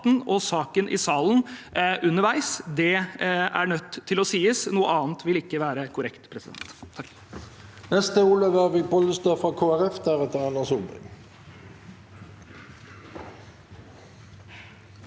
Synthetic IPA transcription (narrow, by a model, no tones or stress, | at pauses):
t̪nɔsɑːkənʔɪ̰sɑːlnʔʉnəɾʋæɪsd̪ɛæ̰ɳœt̪ʰːɪlɔsiːəsnuːəʔɑːnt̪ʋɪlɪkːəʋæːɾəkʰʊɾɛkt̪pʰɾɛsɪd̪ɛ̰nt̪ʰː | nɛst̪əuːløʋæʁʋɪːpʰɔləst̪øfʁɑːkʰoːæʁɛfd̪æʁɛt̪əʁɑnəsubɪ̰ŋ